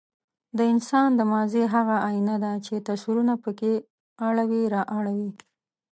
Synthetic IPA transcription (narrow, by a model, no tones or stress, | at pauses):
d̪əɪnsɑnd̪əmɑzeɦaɣaainad̪at͡ʃet̪asiɾunapəke | aɽawiɾɑʔaɽawi